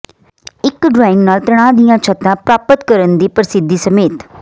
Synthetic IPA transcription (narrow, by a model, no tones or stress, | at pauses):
ɪkɖɾaːɪ̃ŋɡnaːlt̪ɾəɽ̃ãːd̪ɪjãːt͡ʃʰət̪ãːpɾaːpət̪kəɾənd̪iːpəɾɪsɪd̪ːiːsəmeːt̪